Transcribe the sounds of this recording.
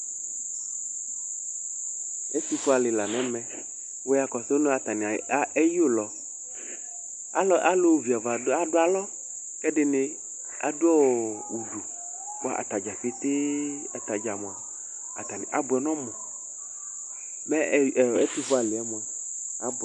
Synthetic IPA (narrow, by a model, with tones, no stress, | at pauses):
e˦t̪u˦fo˦a˨lɪ˨la˨nɛ̃˨˦mɛ̃˨ | wo˦ja˨kɔ˨so˦no˦a˨t̪a˨nĩ˨˦e˦ji˦o˦lɔ˨ | a˦ʔa˦lo˦˨vi˨a˨va˨˦a˦dʊ˦a˦lɔ˦ | kɛ˦ɖɪ˦ne˦ | a̰˨du˦ɔ˦˨u˨du˨ | k͡pʔa̰˨t̪a˨d͡ʒa˨ɸi˦t̪e˦ | a˨t̪a˨d͡ʒa˨mõ˨a˨ | a̰˨t̪a˨nḭ̃˨ʔa˨bʊ˨ɛ˨nɔ̃˦mɔ˨ | mɛ˦˨e˦t̪u˦fo˦a˨lɪ˨ɛ˦mo˨ɛ˨ | a˦˨